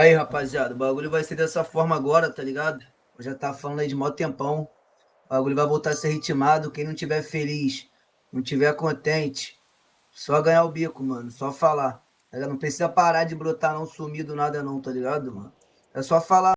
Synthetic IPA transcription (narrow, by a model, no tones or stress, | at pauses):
aiɦapaziad̪ʊbaɡuʎʊvajsed̪ɛsɐfɔɾmɐaɡɔɾɐt̪aliɡad̪ʊ | oʒat̪avɐfalɐ̃d̪aid͡ʒɪmawd̪t̪ẽpɐ̃w̃ | baɡulʊvajvowt̪aɾɐseɦit͡ʃimad̪ʊkẽj̃nɐ̃w̃t͡ʃivɛɾfeliʃ | nɐ̃w̃t͡ʃivɛɾkõt̪ẽnt͡ʃɪ̥ | sɔɐɡɐ̃ɲaʊbikʊmɐ̃nʊsɔfala | aɡanɐ̃w̃pɾesizɐpaɾad͡ʒɪbɾot̪anɐ̃w̃sumid̪ʊnad̪ɐnɐ̃w̃t̪aliɡad̪ʊmɐ̰̃nʊ | ɛsɔfala